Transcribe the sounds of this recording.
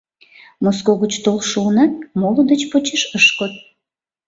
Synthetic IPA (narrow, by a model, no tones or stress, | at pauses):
moskoɣət͡ɕt̪olʃunɑt̪̚molod̪ət͡ɕpot͡ɕeʃəʃkot̪̚